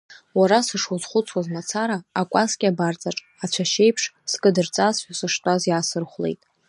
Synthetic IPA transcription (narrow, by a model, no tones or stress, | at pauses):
waɾasɨʂwuzχʷʊt͡sʰwazmat͡sʰaɾaːkʷʼaskʲʼɪabart͡sʼaʈ͡ʂʼ | at͡ɕʷʰaʃe̞jpʰʂskʼɨdɨrt͡sʼazħʷᶣasɨʂtʼazjaːsɨrχʷlḛjtʼ